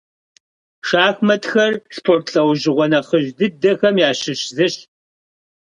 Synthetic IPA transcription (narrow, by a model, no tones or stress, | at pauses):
ʂaːxmɐtxɐrspʰoːrtʰɬɐwʒɪʁʷɔnɐχəʒdɨdɐxɐmjaːɕɪɕzɨɕt